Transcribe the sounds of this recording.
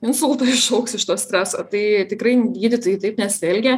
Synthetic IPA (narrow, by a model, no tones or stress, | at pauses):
ɪnsʊlˠt̪oːɪʃɒʊksɪʃt̪oːsʲt̪ʲɾʲæːsoːt̪ɐɪt̪ʲɪkrɐɪɡʲiːd̪ʲɪt̪ɐːjit̪ɐɪpnʲɛsʲɪɛlʲɡʲɛ